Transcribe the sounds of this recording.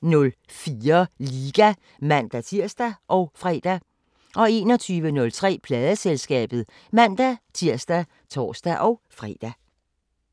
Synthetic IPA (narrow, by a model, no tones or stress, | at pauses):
nɔ̽l | fiːɐliɡ̥æ | mæn̰d̥æt͡sʰiɐ̰sd̥æʔɒ̽ʊfʁɛ̰d̥æ | ʔɒ̽e̝ːnɒ̽t͡sʰyːʋənɔ̽lt͡sʰʁɛ̰ːpʰlɛːð̞ˠəselsɡ̥ɛ̰ːb̥ð̩ˠ | mæn̰d̥æt͡sʰiɐ̰sd̥æ | t͡sʰɒ̰ːsd̥æʔɒʊfʁɛ̰ːd̥æ